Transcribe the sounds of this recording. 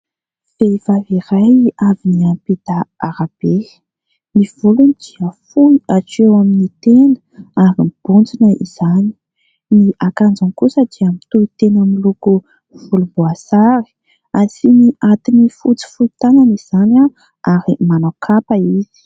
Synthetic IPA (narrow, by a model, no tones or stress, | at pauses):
fevaviɾajaviniamped̪aaɾab̥e | niv̥ulunid̪̥iəfuaʈ͡ʂewaminit̪enəaɾimb̥und͡zinəʔḭz̥ani̥ | niʔakand͡zankusəd̪iamit̪uit̪enamiluku | v̥ulubuasaɾi̥ | asiniʔat̪inifut͡si̥fut̪ananiz̥ana | aɾimanakʰapaiz̥i̥